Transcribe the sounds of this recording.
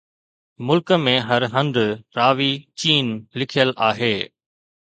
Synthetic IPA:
mʊlkmẽɦɐɾɦɐ̃nd̪ɾaːʋit͡ɕiːnlɪkʰijəlʔaːɦeː

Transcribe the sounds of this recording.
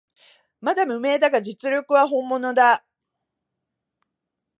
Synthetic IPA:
mad̪amɯ̟me̞ːd̪aɡad͡ʑit͡sɨɾʲokɯ̟βaɦõ̞mːo̞no̞d̪a

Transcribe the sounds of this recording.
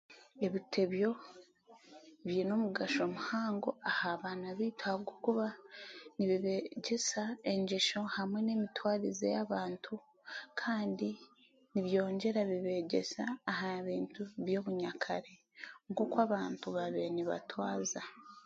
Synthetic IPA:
e̞βitʰe̞βjo̞ | βjino̞muɡaʃo̞muhaːŋɡo̞ahaːβaːnaβiːtʰaɡokuβaniβiβeɟe̞sae̞ɲɟeʃo̞hamwe̞ne̞ːmitwaːɾizḛjaβaːntʰu | kʰaːndi | niβjo̞ːɲɟe̞ɾaβiβe̞ɟe̞̰saːɦaβiːntuβjo̞ːβuɲakʰa̰ɾe̞ | ŋko̞kwaːβaːntuβaβe̞niβa̰twaːza

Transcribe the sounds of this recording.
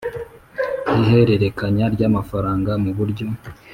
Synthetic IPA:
ihe̞ɾe̞ɾe̞kaɲaɾɟaːmafaɾaːŋɡamuβuɾɟo̞

